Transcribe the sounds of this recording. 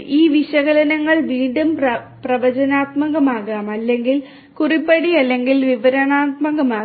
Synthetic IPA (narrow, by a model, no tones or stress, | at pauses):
iːʋiɕɐɣɐlɐnɐŋːɐɭʋiːɳɖumpɐprɐʋɐd͡ʑɐnaːt̪mɐɣɐmaːɣaːmɐlːe̞ŋɡil | kuripːɐɽiɐlːe̞ŋɡilʋiʋɐɾɐɳaːt̪̚mɐɣɐmaː